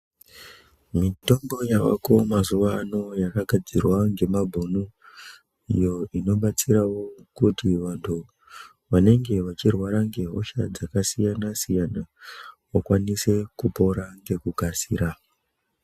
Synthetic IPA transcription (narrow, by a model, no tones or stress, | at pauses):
mito̞mbo̞jawa̰ko̞mazuʋano̞jakaɡʱad͡zirwaŋɡe̞mabʱonu | ijo̞ino̞ɓat͡siɾawo̞kutiʋantʰu | ʋane̞ŋɡe̞ʋat͡ʃirwaɾaŋɡe̞ɦo̞̰ʃa̰d͡zakasijanasijanawakwanise̞kupo̞ɾaŋɡe̞kukasḭːɾa